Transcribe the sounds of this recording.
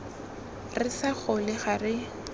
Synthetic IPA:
rɪsaχʊlɪχarɪ

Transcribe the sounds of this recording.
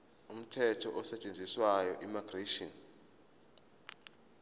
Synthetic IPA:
um̩tʰɛtʰɔʔɔsɛt͡ʃʼend͡zʱiswajɔʔimaɡ̥reʃiɔn

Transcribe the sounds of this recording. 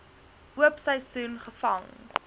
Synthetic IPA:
uəpsəjsuːnχəfɐŋ

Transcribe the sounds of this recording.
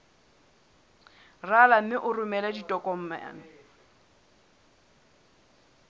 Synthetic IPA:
ralam̩mɪʔʊrʊmɛladitʼɔkʼɔm̩ma̰ːnɪ

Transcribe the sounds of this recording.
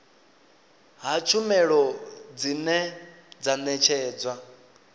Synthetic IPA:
ɦat͡ʃʰumɛɺɔd͡zinɛ | d͡zanɛt͡ʃʰɛːd͡zwa

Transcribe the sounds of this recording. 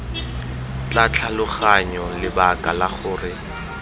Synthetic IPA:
t͡ɬat͡ɬʰalʊχaɲɔlɪbakʼalaχʊːrɪ

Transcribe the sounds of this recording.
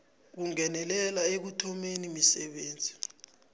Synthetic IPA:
k̬uŋɛnɛlɛlaek̬utʰɔmenimisɛɓeːnd͡zʱi

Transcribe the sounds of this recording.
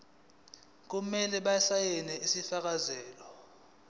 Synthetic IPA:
k̬umɛlɛɓaɛsajɛnɛisifak̬azɛːlɔ

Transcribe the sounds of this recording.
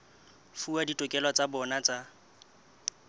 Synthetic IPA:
fuaditʼɔkʼɛlwat͡sʼabɔnat͡sʼa

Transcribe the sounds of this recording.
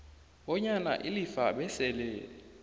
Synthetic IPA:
ɓɔɲana̰ʔilifaɓɛsɛlɛ

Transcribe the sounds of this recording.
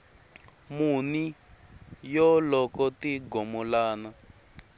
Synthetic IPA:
muni | jɔlɔkɔtiɡɔmɔlaːna

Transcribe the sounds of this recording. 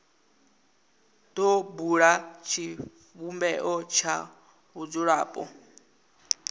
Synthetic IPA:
dɔbuɺat͡ʃʰi | ɸumbɛʔɔt͡ʃʰa | βud͡zuɺaːpʼɔ̰

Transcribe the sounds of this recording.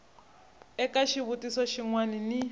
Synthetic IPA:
ɛkaʃiβutisɔʃiŋwanini

